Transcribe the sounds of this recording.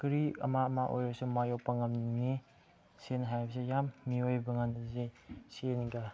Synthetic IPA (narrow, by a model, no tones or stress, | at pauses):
kɾiɐ̰mamaʔojɾɐsumajowpɐŋɐmnni | senɦajbɐsejamːiojbɐŋandɐzesenɡa